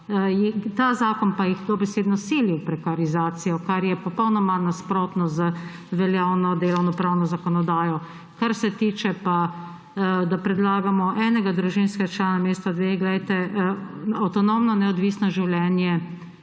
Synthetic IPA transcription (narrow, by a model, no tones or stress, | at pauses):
jɛt̪azaːkɔnpajixd̪obɛseːd̪nɔsiːliwpɾɛkaɾizaːt̪sijɔkaɾjɛpɔpɔwnɔmanaspɾoːt̪nɔzə | ʋɛljaːwnɔd̪eːlɔwnɔpɾaːwnɔzakɔnɔd̪aːjɔ | kaɾsɛt̪iːt͡ʃɛpa | d̪apɾɛd̪laːɡamɔʔɛːnɛɡad̪ɾuʒinskɛɡat͡ʃlaːnameːst̪ad̪ʋeːɡlɛjt̪ɛ | awt̪ɔnomnɔnɛɔd̪ʋiːsnɔʒiwlʲɛːnjɛ